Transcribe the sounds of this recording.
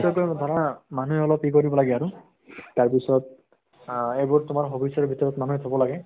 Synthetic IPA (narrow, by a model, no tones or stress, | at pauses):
tɔkɔjd̪ʱɔɹɔnamanuɦɛɔlɔpikoɹibɔlaɡɛaɹʊ | taɹpisɔt̚ | ejbuɹtʊmaɹɦobisɔbʱitɔɹɔtmanuit̪ʰabɔlaɡɛ